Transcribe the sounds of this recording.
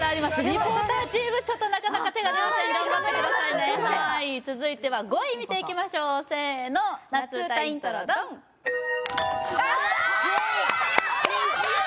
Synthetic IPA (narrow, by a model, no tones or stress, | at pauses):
aːɾʲimasɨɾʲipot̪aːd͡ʑibɯ̟t͡ɕo̞t̪ːo̞nakadnakat̪e̞ɡad̪ait̪aikat̪akɯd̪asainehait͡sɨzɨit̪e̞βaɡo̞imʲit̪e̞ikʲimaɕo̞ːseːno̞nat͡sɨt̪at̪ɾd̪